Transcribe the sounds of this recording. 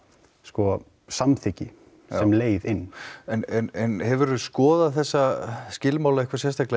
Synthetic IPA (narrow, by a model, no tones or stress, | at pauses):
skɔ | samθɪcɪ | sɛmleːjðɪnːɛnɛnɛnhɛvʏɾʏskɔːðaðθɛsːascɪlmaːwlaihkvasjɛst̪aklɛ